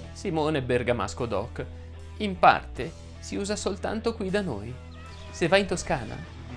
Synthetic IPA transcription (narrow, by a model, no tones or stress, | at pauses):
simoːneberɡama̰skod̪ɔkː | impa̰rt̪e | siuːzasolt̪a̰nt̪okwid̪ano̰ːj | sevːaint̪oskaːna̰